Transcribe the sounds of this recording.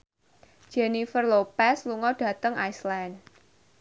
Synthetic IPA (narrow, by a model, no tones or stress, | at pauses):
d͡ʒɛnifərlopɛsluŋɔɖ̥ä̤t̪əŋajsland